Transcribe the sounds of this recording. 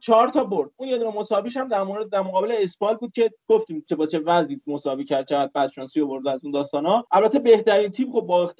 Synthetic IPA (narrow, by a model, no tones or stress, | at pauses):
t͡ʃʰɒɾt̪ʰɒːboɾd̪̥̚uːnje̞d̪unemo̞sɒːbiʃhæmd̪æɾmoɾed̪̚ːæɾmoɣɒːbe̞le̞esbɒːlbuːd̪̚cʰe̞ɡ̥oft̪iːmt͡ʃʰe̞bɒːt͡ʃʰe̞væzniːmosɒːbiːcʰæɾd̪̥̚t͡ʃʰe̞ɣæd̪̚bæd̪̥ʃɒːnsiovo̞ɾd̪eæzuːnd̪ɒːst̪ɒːnɒʔælbæt̪ʰːebe̞ht̪æɾiːnt̪ʰiːbxobːɒext̪